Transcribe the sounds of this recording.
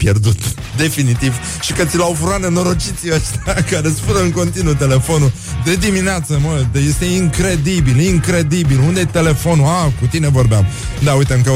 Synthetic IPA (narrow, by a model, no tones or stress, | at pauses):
pje̞rd̪ut̪ | d̪e̞finit̪iv | ʃikət̪silawfuɾaneno̞ɾo̞t͡ʃit̪siəʃt̪akaɾesfəɾəɨŋko̞nt̪inut̪e̞le̞fo̞nu | d̪e̞d̪imineat̪səməd̪eje̞st̪e̞iŋkɾe̞d̪ibiliŋkɾe̞d̪ibilund̪et̪e̞le̞fo̞nuakut̪ine̞vo̞rbeam | d̪aujt̪əmkə